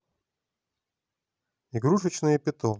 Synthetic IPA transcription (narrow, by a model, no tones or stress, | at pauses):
iɡɾuʂɨt͡ɕnɨjəpʲɪt̪ɔ